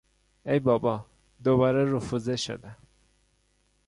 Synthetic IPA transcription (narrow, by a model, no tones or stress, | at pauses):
ejbɒːbɒ | d̪obɒːɾeɾufuzeʃo̰d̪æ